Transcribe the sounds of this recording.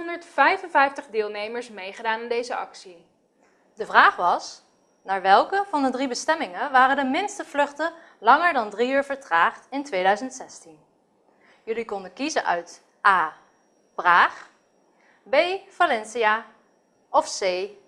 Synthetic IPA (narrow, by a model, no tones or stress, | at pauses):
ɔndəɹtfɛjvənvɛjftəχdɪːlˠnejməɹsmejχədaːnɪndejzəɑ̰ksi | dəvraːχʋɑs | naːɹʋɛlˠkəvɑndədribəstɛmɪŋənʋaːrədəmɪnstəvlɵχtə | lɑŋəɹdɑndriyːɹvəɹtraːχtɪntʋejdœɥzəntsɛstin | jɵlikɔndəkizənʔœ̰ɥt | ʔaː | praːχ | bejvalɛnsiaː | ɔfsej